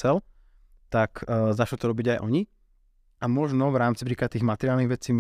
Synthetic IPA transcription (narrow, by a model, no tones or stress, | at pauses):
ɛl | t̪akːzaʃlt̪ɔɾɔbiɟajʔɔɲi | ʔamɔʒnɔʋɾaːmt͡si̥pɾiːkat̪iːɣmat̪ɛɾɪalniɣʋɛt͡siːm